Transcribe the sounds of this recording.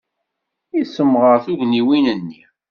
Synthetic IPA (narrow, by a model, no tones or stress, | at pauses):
isəmːʁəɾθuʝniwinənːi